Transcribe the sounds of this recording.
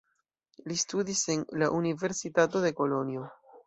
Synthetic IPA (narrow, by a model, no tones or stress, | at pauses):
listudise̞nlaʔunive̞ɾsitato̞de̞ko̞lo̞nio̞